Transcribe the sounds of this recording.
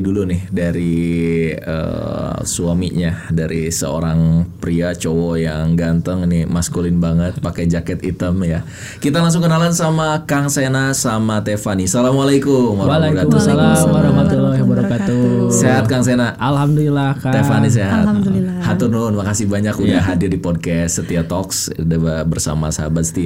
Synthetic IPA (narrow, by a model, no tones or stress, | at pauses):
dulunɪhdaɾi | ə̰suamḭʔɲadaɾḭsə̰o̰ɾaŋpɾiat͡ʃowɔjaŋɡant̪əŋinimaskulɪnbaŋət̪̚pakɛd͡ʒakɛt̪it̪əmja | kit̪alaŋs̬ʊŋkənalansamakaŋsenasamat̪efanisalamwalajkʊmwabkat̪ualaɾamaulabaɾakat̪useɦat̪̚kaŋs̬enaʔalhamduilahkt̪efanis̬eɦa̰t̪̚hat̪ʊrnuʊnmakasihbaɲakudaɦadɪrdipɔd̚kɛsːət̪iat̪ɔksdababərsa̰ma̰saɦabat̪sə̥t̪i